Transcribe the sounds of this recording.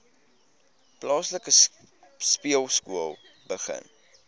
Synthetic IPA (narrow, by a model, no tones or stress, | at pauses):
plɑːsləkə | spiəlˠskuəlˠ | bəχə̰n